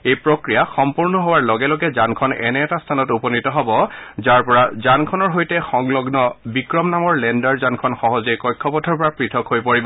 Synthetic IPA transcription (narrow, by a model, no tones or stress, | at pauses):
ejpɹokɹijaxɔmpuɹnɔɦowaɹlɔɡɛlɔɡɛzankʰɔnɛ̰nɛːtastʰanɔtupɔnitɔɦɔbɔzaɹpɔɹazankʰɔnɔɹɦojtɛxɔŋlɔɡnɔbikɹɔmnamɔɹlɛndaɹzankʰɔnxɔɦɔzejkɔjkʰːɔpɔtʰɔɹpɔɹapɹitʰɔkhojpoɹibɔ